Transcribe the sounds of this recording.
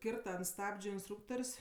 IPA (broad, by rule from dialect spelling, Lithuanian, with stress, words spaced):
ˈkʲɪrtɐ ɐnt ˈstɑːbʲd͡ʒʲʊ ɪnsˈtruːktoːrʲsʲ